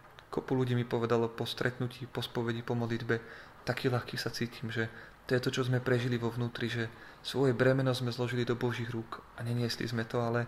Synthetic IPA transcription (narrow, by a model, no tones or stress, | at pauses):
kɔpuluɟiːmipɔʋɛd̪alɔpɔst̪ɾʔɛt̪nuciːpɔspɔʋɛɟipɔmɔd̪lid̪bɛ | t̪akiːlaxkiːsat͡siːcʰiːmʒɛt̪ɔjɛt̪ɔt͡ʃɔzmɛpɾɛʒiliʋɔʋnuːt̪ɾiʒɛ | sʋɔjɛbɾɛmɛnɔzmɛzlɔʒilid̪ɔbɔʒiɣɾukaɲɛɲɪɛslḭzmɛt̪ɔalɛ